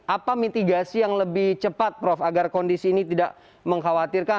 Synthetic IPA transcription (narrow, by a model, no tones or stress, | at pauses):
ʔapamit̪iɡasijaŋləbɪht͡ʃəpat̪̚pɾɔfaɡarkɔndisiːnit̪idaʔ | məŋɦawat̪irka